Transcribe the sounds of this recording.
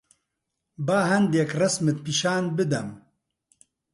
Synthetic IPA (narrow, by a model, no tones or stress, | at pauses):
baːɦɐnd̪jɛkrɐsmɨt̪̚piʃaːnbɨd̪ɐm